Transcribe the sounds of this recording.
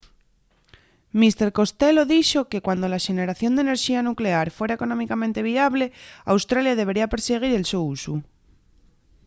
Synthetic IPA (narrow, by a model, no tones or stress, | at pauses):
mist̪e̞ɾko̞st̪e̞lo̞ðiʃo̞ke̞kwand̪o̞laʃe̞ne̞ɾaθjo̞nd̪ene̞ɾʃianukle̞aɾfwe̞ɾaeko̞no̞mikamẽnt̪e̞β̞iaβle̞a̰wst̪ɾaljaðe̞β̞e̞ɾiape̞ɾseɣ̞iɾe̞lsousu